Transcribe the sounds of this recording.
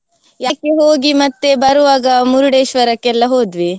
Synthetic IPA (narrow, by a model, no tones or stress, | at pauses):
jaːkːeɦoːɡimɐt̪ːe̞bɐɾuʋaːɡɐmuɾuɽeːʃʋɐɾɐkːɛlːɐɦoːd̪ʋi